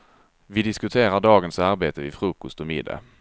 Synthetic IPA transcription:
vɪd̪ɪskɵt̪ʰeːɾaɖɑːɡənsaɾbeːt̪əvɪfɾʉːkɔst̪ɔmɪd̪ːa̰

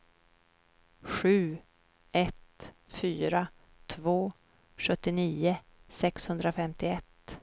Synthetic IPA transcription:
ɧʉ̟ː | ʔɛt̪ | fyːɾa | t̪ʰvoː | ɧɵt̪ːɪniːʊ | sɛkshɵnd̪ɾafɛmt̪ɪɛt̪ː

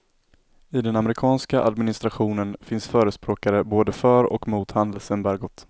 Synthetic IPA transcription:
ɪd̪ɛnamɾɪkʰɑːnskaʔa̰d̪mɪnɪst̪ɾaɧuːnənfɪnsfœːɾəspɾoːkaɾəboːd̪əfœɾɔ̰kmuːt̪hand̪əlsɛnbæɾɡʊt̪ː

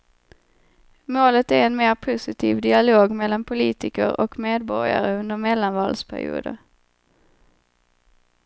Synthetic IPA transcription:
moːlət̪æɾɛnmeːɾpʰʊsɪt̪ʰiːvd̪ɪaloːɡmɛlːanpʰʊliːt̪ɪkə̰ɾʔɔ̰kmeːd̪bɔɾja̰ɾəɵnd̪əɾmɛlːanvɑ̰ːlspʰæ̰ɾɪ̰ṵːd̪ə̰ɾ

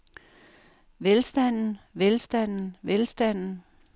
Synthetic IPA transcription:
ʋelsd̥æn̰n̩ʋelsd̥æn̰n̩ʋelsd̥æn̰n̩

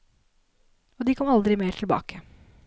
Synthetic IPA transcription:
ɔd̪ɪkʰɔmɑld̪ɾɪmeːʈʰɪlbɑ̰ːkʰə

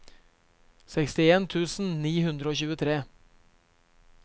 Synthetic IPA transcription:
sɛkst̪ɪeːnt̪ʰʉːsn̩niːhʉnd̪ɾəoːçʉːət̪ʰɾeː

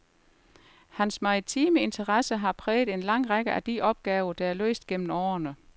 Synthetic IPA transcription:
hænsmɑ̈ʁit͡sʰiːməe̝nt͡sʰɐʁɑsəɦɑ̈pʰʁɛːð̩ˠe̝nlɑ̈ŋ̰ʁɑɡ̥əʔæd̥iʔɒ̽b̥̚ɡ̥ɛːʊɐd̥ɑ̈æɐlø̰ːsd̥̚ɡ̥en̰m̩ɒːɐnə

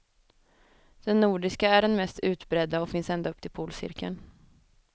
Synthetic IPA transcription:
d̪̥ɛnːuːɖɪskaæɖɛnmɛst̪ʰʉ̟ːt̪bɾɛd̪ːaɔfɪnsɛnd̪aɵpt̪ʰɪlpʰuːlsɪ̰ɾkə̰n

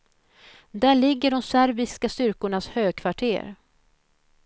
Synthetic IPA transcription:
d̪æɭɪɡːəɖɔmsæɾbɪskast̪ʏɾkʊɳashøːɡ̚kʰvaʈʰḛːɾ

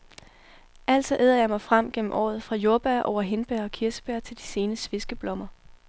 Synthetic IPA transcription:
ʔæl̰d̥sɒ̽ʔeðˠɐjɑ̈ɪmɑ̈ɪfʁam̰ɡ̥en̰m̩ʔɒ̰ːð̞̩ˠfʁɑ̈jo̝ɐb̥æɐʔɒʊ̰ɐɦe̝nb̥æɐɒ̽kʰiɐsə̥b̥æɐt͡sʰe̝ld̥i̥se̝ːnəsʋe̝sɡ̥əb̥lɒ̽mɐ

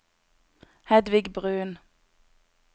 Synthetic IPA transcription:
hɛd̪ʋɪɡbʁʉːn

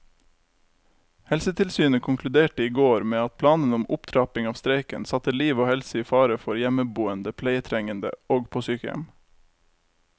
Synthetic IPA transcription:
hɛlsət̪ʰɪlsyːnəkʰʊŋkʰlʉd̪eːʈəiːɡoːɾmeːɑt̪̚pʰlɑːnənʊmʔʊpt̪ʰɾɑːpɪŋɑːʋst̪ɾeɪkə̰nsɑt̪əliːʋoːhɛlsəiːfɑːɾəfɔɾjɛməbuːənd̪əpʰleɪət̪ʰɾɛŋənd̪ə̰oːɡpʰosyːkəɛ̰m

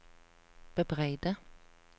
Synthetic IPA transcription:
b̥əbʁæɪd̪ə

